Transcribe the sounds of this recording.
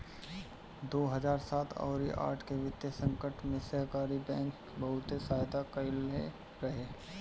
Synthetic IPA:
d̪oːɦɐzaːɾsaːt̪ʰɔ̰ːɾiʔa̰ːʈʰkeʋɪt̪jəsə̃ŋkəʈmẽsəɦkaːɾibɛ̃ːŋk | bɐɦʊt̪esaːjd̪akəɪle | ɾɐɦeː

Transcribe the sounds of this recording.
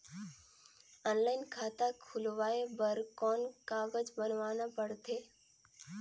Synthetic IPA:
ɔːnlaːɪnkʰaːt̪akʰʊlʋaːebəɾkɔːnkaːɡəd͡ʒbənʋaːnapəɽt̪ʰeː

